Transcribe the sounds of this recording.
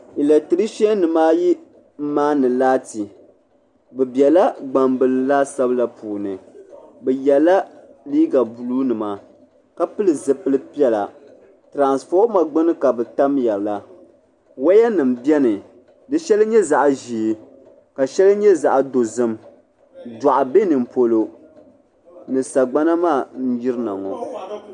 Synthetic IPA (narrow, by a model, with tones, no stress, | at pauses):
i˨la˨tɨ˨ɾɨ˦ʃɛ˦nɨ˨maː˦ji˦ | m̩˦maː˦nɨ˨laː˦ti˨ | bɛ˨bjɛ˨la˦ɡ͡ba˨mbɨ˨lɨ˨la˦sa˦bɨ˦la˦puː˨nɨ˨bɛ˨jɛ˨la˦ | liː˦ɡa˨bu˨lu˦nɨ˨ma˨ | ka˦pɨ˦lɨ˨zɨ˨pɨ˦lɨ˦pi˦ɛ˦la˨ | tɾa˨nsfɔ˦ma˨ɡ͡bɨ˦nɨ˦ka˨bɛ˨ta˦mjɛ˨la˦ | wa˦ja˦nɨ˨m̩bjɛ˦nɨ˨ | dɨ˦ʃɛ˦lɲɛ˦za˨ʔʒi˨ | ka˨ʃɛ˦lɨ˦ɲɛ˦za˨ʔdo˨zɨ˦m | da˨ʔa˨be˦nɨ˨m̩˨po˦lo˦ | nɨ˨sa˨ɡ͡ba˦na˦maː˦˨n̩˦ji˦ɾɨ˦na˨ŋɔ̰˨